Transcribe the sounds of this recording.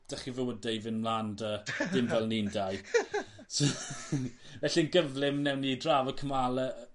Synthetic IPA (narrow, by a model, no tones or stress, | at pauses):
d̥aχivowədevɪnmlˠandədɪmvɛlˠnindaj | s | vɛɬiənɡəvlɪmnɛwnidraːvəkʰəmalˠə